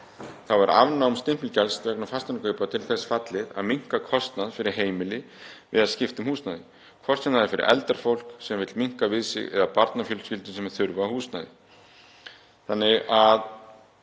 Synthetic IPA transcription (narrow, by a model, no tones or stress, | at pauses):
θavaɾa̰vnaʊmst̪ɪm̥pɪlcɛlst̪vɛknʏfast̪ankʰœɥpat̪ʰɪlθɛsfat̪lɪða̰ðmiŋ̥kakʰɔst̪naðfɪɾɪɾ̥ɦeːjmɪlɪ | vɪ̰ðaðscɪft̪ʏmhuːsnaðɪ | kʰvɔst̪naðɪɾfɪɾɪ̰ɾɛ̰lt̪aɾ̥fowl̥ksɛmvɪt̪lmiŋ̥kavɪðsɪ̰ɣɛ̰ðapaɾt̪nafjœlsfɪlt̪ʏsɛmθʏɾvahuːsna̰ːðɪ̰ | θanːɪɣað